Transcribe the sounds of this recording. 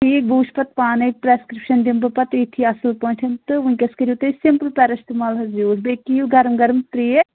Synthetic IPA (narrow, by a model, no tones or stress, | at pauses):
ʈiːk̚buːʃpɐt̪̚paːnepɾeːskɾɪpʃɐnd̪imbɐpɐt̪et̪ʰiɐsəlpoːĩɳʈʰɐnt̪ɨʋũkʲɐskɐɾut̪esɪmpəlpɛːɾɐst̪imaːlɦɐzuːɾbekijuɡɐɾəmɡɐɾmt̪ɾiː